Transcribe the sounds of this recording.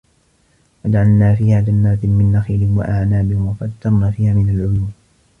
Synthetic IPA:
fad̪ʕalnaːfiːhaːd͡ʒanːaːt̪ɪmɪnːaxiːlɪhɪmwa̰ʔaʕnaːbɪhɪmwafat̪ːɑɾˤnaːfiːhaːmɪnalʕʊjuːm

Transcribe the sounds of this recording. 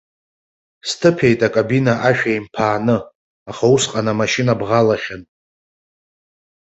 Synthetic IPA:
stʰɨpʰe̞jtʼakʼabinaʔaʃᶣajmpʰaːnɨ | aχausqʼanamaʃinabʁalaχʲan

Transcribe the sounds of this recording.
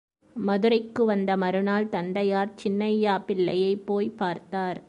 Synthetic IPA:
mɐðɯɾɐɪkːɯʋɐnd̪ɐmɐɾɯnaːlt̪ɐnd̪ɐjaːɾt͡ʃɪnːɐɪjːaːpɪlːɐ̰jɐɪpːoːjpaːɾt̪aːɾ

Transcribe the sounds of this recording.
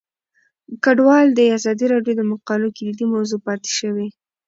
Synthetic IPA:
kaɖwɑld̪əazɑd̪iɾɑɖjod̪əmaqɑlokɪlid̪imawzopɑt̪e̥ʃəwe

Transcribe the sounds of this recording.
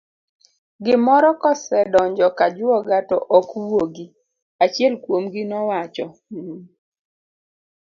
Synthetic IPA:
ɡɪmɔɾɔkɔsɛdɔɲd͡ʒɔkad͡ʒʊɔɡatɔʔɔkwoɡi | at͡ʃjɛlkwomɡɪnɔwat͡ʃɔ

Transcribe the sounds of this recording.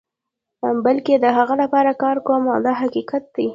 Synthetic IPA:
balked̪əɦaɣalapɑɾakɑɾkomawd̪ɑɦaqiqat̪̚d̪i

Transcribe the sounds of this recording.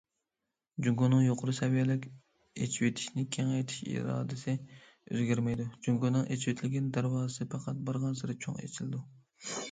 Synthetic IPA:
d͡ʒuŋɡonɨŋjoqʰʊɾusɛvijɛlɪkʲ | ḛt͡ʃʰiwet̪ʰɪ̥ʃnɪkʲʰɛŋɛjt̪ʰi̥ʃḭɾɑ̰ːd̪ɪsɪ | ø̰zɡʲæɾmɛjd̪ud͡ʒuŋɡonɨŋʔet͡ʃʰwet̪ʰɪlɪɡʲɛnd̪æɾwɑːsɨpʰɑqʰɑt̪̚bɑɾʁɑnsɨɾɪt͡ʃʰo̰ŋḛt͡ʃʰilɪd̪u

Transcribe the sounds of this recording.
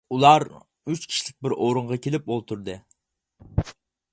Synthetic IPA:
ulˠɑɾ | yt͡ʃkʲʰi̥ʃilɪk̚ʲbɪɾʔoɾɨɴʁɑkʲʰelɪp̚olˠt̪ʰuɾd̪ɨ

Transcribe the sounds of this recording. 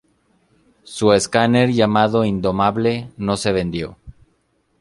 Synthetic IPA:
sueskaneɾʝamaðo̞ind̪o̞maβle̞no̞se̞β̞e̞nd̪jo̞

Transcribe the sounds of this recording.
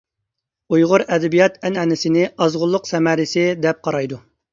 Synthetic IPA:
ujʁʊɾɛd̪ɛbijɑt̪ʰɛnɛnɪsɪnɪɑzʁʊlˠːʊqsɛmɛɾɪsɪd̪ɛp̚qʰɑɾɑjd̪u

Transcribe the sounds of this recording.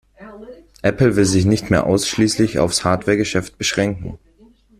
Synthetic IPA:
ʔɛpl̩vɪlzɪçnɪçtmḛːɐʔa̰ʊsʃliːslɪça̰ʊfshaːɐtv̥ɛːɐɡəʃɛft̚b̥əʃʁ̥ɛŋkŋ̩

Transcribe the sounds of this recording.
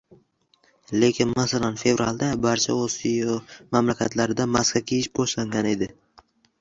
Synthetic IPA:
le̞kʲɪnmasalanfe̞vɾalˠd̪abaɾt͡ʃʰa̰osijɒmamlakʲʰat̪ʰlaɾɪd̪amaskʲakʲʰejɪʃboʃlaŋɡʲane̞d̪ɪ

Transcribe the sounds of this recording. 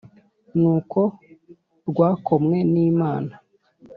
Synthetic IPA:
nuːkʰo̞ | ɾɡwaːkʰo̞mŋe̞niːmaːna

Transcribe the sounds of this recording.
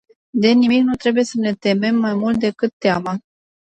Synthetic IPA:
d̪e̞nimiknut̪ɾe̞buje̞səne̞t̪e̞me̞mːajmult̪̚d̪e̞kɨt̪ːeama

